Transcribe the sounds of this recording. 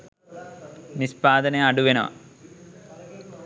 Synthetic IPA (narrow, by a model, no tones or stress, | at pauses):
nispaːd̪ɐneɐɽuʋeno̰ː